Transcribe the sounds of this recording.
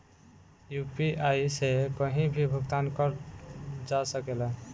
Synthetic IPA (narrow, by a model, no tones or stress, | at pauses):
jupiʔajsekəɦĩbʱibʱəɡt̪ankəɾ | d͡ʒasəkele